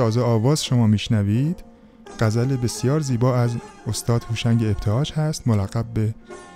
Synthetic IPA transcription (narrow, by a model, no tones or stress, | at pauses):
ɒːzeɒːvɒːz̥ʃo̞mɒːmiːʃnævid̪̥ | ɢ̥æzælebe̞sjɒːɾziːbɒːæzost̪ɒːd̪̥huːʃæŋɟeːbt̪ʰehɒːd͡ʒhæst̪molæɣæb̚be̞